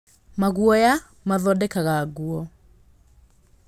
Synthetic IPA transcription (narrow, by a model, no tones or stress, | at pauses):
maɣuɔja | maðɔdɛkaɣaɣuɔ